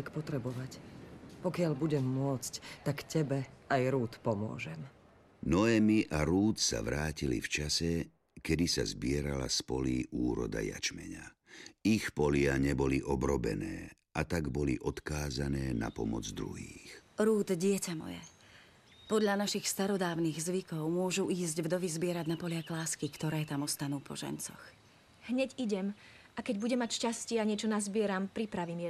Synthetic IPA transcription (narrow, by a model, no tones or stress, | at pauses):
kpɔt̪ɾɛbɔʋacpɔkɪalbuɟɛmːʊɔt͡sct̪akcɛbɛajɾuːt̪pɔmʊɔ̰ʒɛm | nɔɛmiʔaɾuːt̪sa̰ʋɾaːcilḭft͡ʃasɛ | kɛd̪isa̰zbɪɛɾala̰spɔliːʔuːɾɔ̰d̪a̰ja̰t͡ʃmɛ̰ɲaixpɔlɪaɲɛbɔliʔɔbɾɔbɛ̰nɛː | ʔat̪aɡbɔliʔɔt̪kaːzanɛːna̰pɔmɔd͡zd̪ɾuɦiːxɾuːd̪ɟɪɛcamɔ̰jɛ̰ | pɔd̪ʎanaʃixst̪aɾɔd̪aːʊniɣzʋikɔʊmʊɔʒuʔiːzɟvd̪ɔʋizbɪɛɾaɟnapɔlɪaklaːskikt̪ɔɾɛːt̪amɔst̪anuːpɔ̰ʒɛ̰nt͡sɔ̰x | ɦɲɛɟiɟɛmʔakɛɟbuɟɛmːacʃcascɪɛaɲɪɛt͡ʃɔnazbɪɛɾampɾipɾaʋiːmjɛ